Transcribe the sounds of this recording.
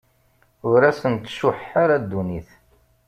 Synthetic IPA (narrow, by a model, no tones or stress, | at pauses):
ʊɾæsənt̪ʃʊħaɾad̪ːuniθ